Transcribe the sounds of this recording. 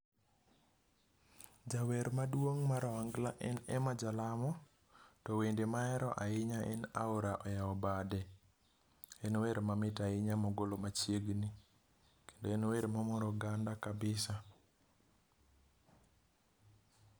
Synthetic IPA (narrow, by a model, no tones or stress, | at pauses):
d͡ʒawɛɾmadwoŋmaɾɔaŋɡlaʔɛnɛmad͡ʒalamɔ | tɔwendemaɛɾɔʔaɪɲaʔɛna̰wɾaʔɔjaɔbadɛ | ɛnweɾmamɪtaɪɲamɔɡolomat͡ʃjeɡni | ke̥ndoɛnweɾmamɔɾɔɡandakabɪsa